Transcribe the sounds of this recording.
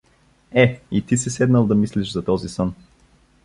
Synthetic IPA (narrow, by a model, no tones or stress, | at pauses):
ɛit̪isisɛd̪nəlˠd̪ɐmisliʃzɐt̪ɔzisən